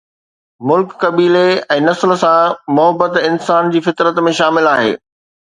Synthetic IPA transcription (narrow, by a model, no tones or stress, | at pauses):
mʊlkːɐbiːleɛ̃ːnɐsl̆sãmʊɦəbːət̪ɪnsaːnd͡ʑiːfɪt̪ɾət̪mẽʃaːmɪlaːɦḛː